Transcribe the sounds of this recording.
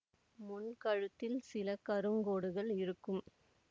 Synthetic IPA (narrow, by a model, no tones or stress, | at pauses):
mʊnkɐɻɯt̪ːɪlsɪlɐkɐɾɯŋɡoːɽɯɣɐɭɪɾɯkːɯm